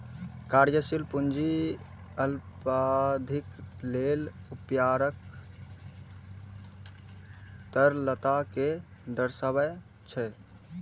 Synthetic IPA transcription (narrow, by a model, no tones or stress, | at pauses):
kaɾjəsilpund͡ʒi | əlpad̪ʱiklelupjaɾək | t̪əɾlət̪aked̪əɾsəβəj | t͡ʃʰɛ